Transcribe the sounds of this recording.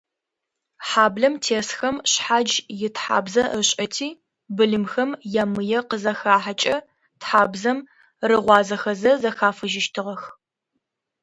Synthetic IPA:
ħaːbɮɐmtʰeːsxɐmɕħad͡ʒjɪtħa̰ːbzɐɨɕʼɐtʰiː | bɨɮɨmxɐmjamɨjɛqəzɐxaːħat͡ʃʼɐ | tħaːbzɐm | rɨʁʷɑːzɐxɐzɐzɐxaːfɨʒɪʃtʰɨʁɐx

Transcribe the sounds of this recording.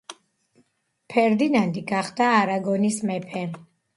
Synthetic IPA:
pʰɛɾd̪inand̪iɡaχd̪aːɾaɡɔnismɛpʰɛ

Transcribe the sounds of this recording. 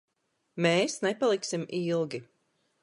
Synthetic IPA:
meːsnepalˠiksimilˠɡʲi

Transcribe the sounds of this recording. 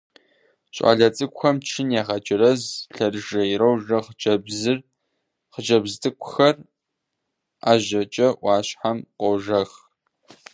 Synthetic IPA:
ɕʼa̰ːɮɐt͡sʼɨkʷxɐmt͡ʃʰɨnjaːʁɐd͡ʒʼɪrɐzɬɐrʒɐjiɾɐwʒɐχt͡ʃɐbzɨr | χəd͡ʒɐbztʰʼɨkʷʰʼʊxɐr | a̰ːʑɐt͡ʃʼɐʔʷɑːɕħamqʷʼɔwʒɐx

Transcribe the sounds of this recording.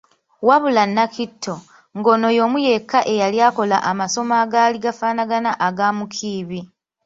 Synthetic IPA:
waβulanːakitʰːo̞ | ŋɡo̞no̞jo̞ːmuje̞kːaʔe̞jaljaːko̞laʔamaso̞maːɡaːliɡafaːnaɡanaʔaɡaːmukʰiːβi

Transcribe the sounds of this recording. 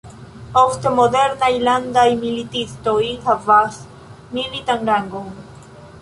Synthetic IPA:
ost̪emod̪eɾnailand̪aimilit̪ist̪oihavas | milit̪aŋɡaŋɡoŋ

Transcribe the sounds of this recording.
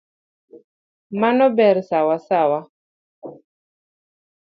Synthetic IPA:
manɔbɛɾsawasawa

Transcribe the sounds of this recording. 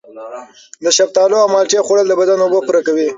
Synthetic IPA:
d̪əʃab̚t̪ɑloawmɑlt͡ʃexoɽəld̪əbad̪anobopuɾakawi

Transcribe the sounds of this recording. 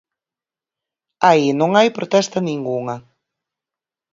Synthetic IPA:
ainõŋajpɾot̪ɛst̪ɐnĩŋɡuŋɐ

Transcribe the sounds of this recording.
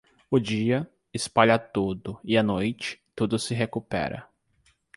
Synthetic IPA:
ʊd͡ʒiɐ | ɪspaʎɐt̪ud̪ʊɪanojt͡ʃɪ̥t̪ud̪ʊsɪɦekupɛ̰ɾɐ̰

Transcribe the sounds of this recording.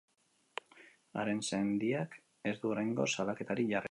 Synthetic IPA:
a̰ɾe̞nsend̪iak | e̞zd̪uɾejŋɡo̞salake̞t̪aɾiʝar

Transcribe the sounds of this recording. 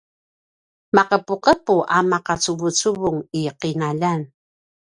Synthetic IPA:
maqəpuqəpuʔamaqat͡suvut͡suvuŋiqinaʎan

